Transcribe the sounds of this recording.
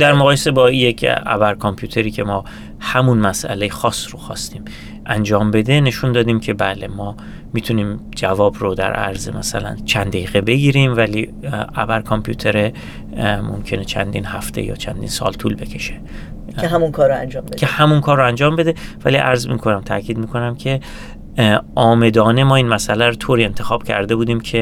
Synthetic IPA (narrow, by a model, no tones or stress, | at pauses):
d̪æɾmoɣʁɒːjese̞bɒːijecʰæ̰bæɾkʰompʰjuːt̪ʰe̞ɾiːcʰe̞mɒː | hæmunmæsʔæ̰lejexɒːsroxɒ̰ːst̪iːm | ʔænd͡ʒɒːmbe̞d̪e̞ne̞ʃund̪ɒːd̪iːmcʰe̞bæːle̞mɒː | miːt̪ʰuniːmd͡ʒævɒːbrod̪æ̰ɾʔæ̰ɾzemæsæ̰læ̰nt͡ʃʰænd̪æiːɣebe̞ɡiːɾiːmvæliːæbæɾkʰompʰjuːt̪ʰeɾe | mo̰mcʰe̞net͡ʃʰæ̰nd̪iːnhæft̪ʰḛjɒ̰ːt͡ʃʰæ̰nd̪ḭːnsɒ̰ːlt̪ʰuːlbe̞cʰe̞ʃe | eɦæmunkʰɒːɾoænd͡ʒɒːmbecʰehæmunkʰɒːɾːoænd͡ʒɒːmbe̞d̪e̞væliʔæ̰ɾzmḭːkʰo̞næmt̪ʰæ̰cʰiːd̪̚miːkʰo̞næmcʰe̞ | ʔɒːme̞d̪ɒːne̞mɒːiːnmæsælæɾot̪ʰoːɾiːe̞nt̪ʰe̞xɒːb̥cʰæ̰ɾd̪e̞buːd̪iːmcʰe̞